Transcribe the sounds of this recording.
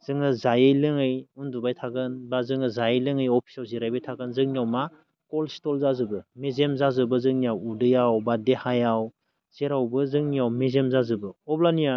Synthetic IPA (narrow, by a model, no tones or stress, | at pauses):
z̥ɯŋɯzajɯjlɯŋɯjundubajtʰaɡɯnbazɯŋɯzajɯjlɯŋɯjɔpʰi̥sawzeɾajbajtʰaɡɯnzɯŋnijawma | kɔlstɔlzazɯbɯmezemzazɯbɯzɯŋnijawudɯjawbadehajaw | z̥eɾawbɯzɯŋniawmezemzazɯbɯɔblania